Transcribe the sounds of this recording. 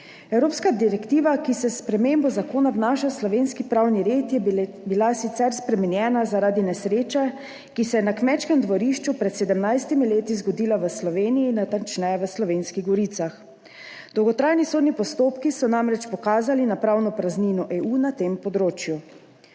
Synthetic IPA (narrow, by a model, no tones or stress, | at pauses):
ɛwɾoːpskad̪iɾɛkt̪iːʋakisɛspɾɛmembɔzakoːnaʋnaːʃaslɔʋenskipɾawniɾeːt̪jɛ | bilasit̪sɛɾspɾɛmɛnjɛːnazaɾad̪inɛsɾeːt͡ʃɛ | kisɛjɛnakmɛt͡ʃkɛmd̪ʋɔɾiʃt͡ʃupɾɛt̪sɛd̪ɛmnajst̪imileːt̪izɡɔd̪iːlaʋəslɔʋeːniiːnat̪ant͡ʃnɛjɛʋəslɔʋeːnskiɣɡɔɾit̪sax | d̪̥ɔwɡɔt̪ɾaːjnisoːd̪nipɔst̪oːpkisɔnamɾɛt͡ʃpɔkaːzalinapɾaːwnɔpɾazninɔʔeuːnat̪empɔd̪ɾoːt͡ʃju